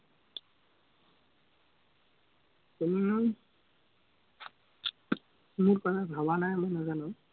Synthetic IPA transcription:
teni | muɹkɔtabʱabanajmojnazanʊ̃

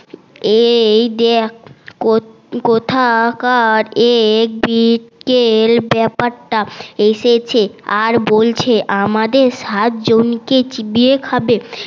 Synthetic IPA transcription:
ejd̪ek | kot̪ʰakaɾek̚biʈkelbɛpaɾʈaeʃet͡ɕʰeaɾbolt͡ɕʰeʔamad̪eɾʃat̪̚d͡ʑonket͡ɕibiekʰabe

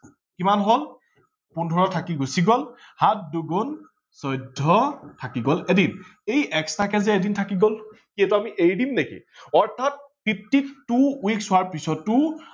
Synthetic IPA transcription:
kimanɦol | pundʱɔɹɔtʰakiɡosiɡɔl | hat̚duɡɔn | sɔjdʱːɔtʰakiɡɔlɛdinejʔɛkstʰakɛzɛɛdintʰakiɡɔl | kiɛtuamiʔejdimnekḭɔɹtʰat̚pʰip̚tiktuwiksʊaɹpisɔtːʊ

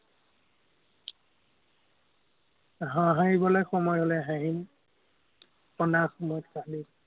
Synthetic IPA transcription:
ɦãɦaɦibɔlɔjxɔmɔjɔlɛɦaɦin | pɔndaxɔmɔjɔtkali

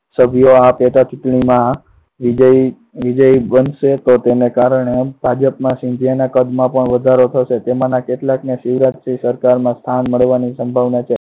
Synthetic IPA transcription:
səbʱijoapet̪at͡ʃuʈɳimã | ʋid͡ʒəi | ʋid͡ʒəibənʃet̪ot̪enekaɾɳebʱad͡ʒəpmãʃĩnd͡ʒanakəd̪mãpəɳʋəd̪ʱaɾot̪ʰəʃet̪emãnakeʈlakneʃiʋɾat̪sisəɾkaɾmãst̪ʰanməɭʋanisəmbʱaʋnat͡ʃʰe

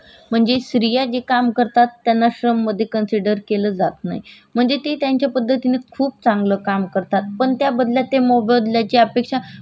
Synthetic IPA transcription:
m̤əɳd͡zeɕɾijad͡ʑekamkəɾt̪at̪ːjanːaɕɾəmːəd̪ʱːjekənsiɖəɾkeləːd͡zat̪na̰ɦjm̤əɳd͡zet̪et̪jaɲt͡ɕjapəd̪ʱːət̪inekʰuːp̚t͡saŋɡləːkamkəɾt̪at̪̚pəɳt̪jabəd̪ʱljat̪emɔbəd̪ljat͡ɕeəpekʂa

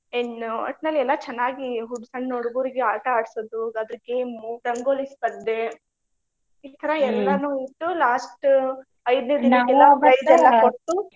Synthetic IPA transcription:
enuɐ̰ʈnɐlːɛlːɐt͡ʃɛnːaːɡiɦuɖsɐɳɖnoɽɡuːɾiɡeaːʈɐaːɽsod̪uɐd̪ɾɡeːmuʈɐŋɡoːlispɐd̪ːe | iːt̪ʰɐɾɐɛlːɐnuːit̪ːulaːsʈ | ɐjd̪ned̪inɐɛlːɐɐjd̪ɛlːɐkoʈːu

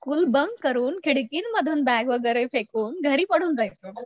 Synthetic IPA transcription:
kuːlbəŋɡkəɾuːnkʰiɽkiːnməd̪ʱuːnbæɡʋəɡəjɾəjfekuːnɡʱəɾiːpəɽ̤uːnd͡zajt͡sə

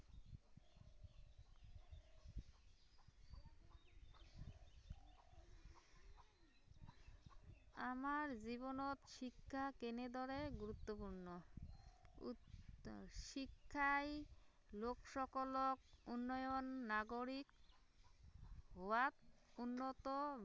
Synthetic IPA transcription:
amaɾd͡ʑibonot̪ʃikʰːakened̪ɔɾeɡuɾut̪ːopuɾno | ʃikʰːaj | lokʃɔkolok̚unːɔjonːaɡoɾik | ɦowaunːot̪o

